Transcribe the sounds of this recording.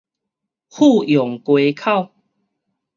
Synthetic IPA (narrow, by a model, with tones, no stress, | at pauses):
hu˥˧˨jɔ˨ŋkwe˧kʰa˥˨ʊ